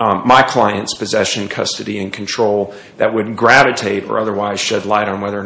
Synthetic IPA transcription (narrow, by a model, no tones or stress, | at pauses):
maɪkʰl̥aɪɨ̃ntspɨzɛʃɨ̃nkʰʌ̰stɨɾiɨ̃nkʰn̩tʰɹ̥oʊlˠ | ðɨt̚wɨd̚ɡɹævɨtʰeɪɾə̰˞ʔʌðə˞waɪz̥ʃɛdˡlaɪɾn̩wɛðə˞